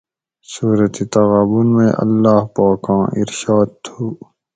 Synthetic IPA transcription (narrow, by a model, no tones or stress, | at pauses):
suːɾət̪it̪ɐɣaːbunmḛ̃ʔɐ̰lːaːɦpaːkãːʔɪ̰ɾʃaːd̪̚t̪ʰuː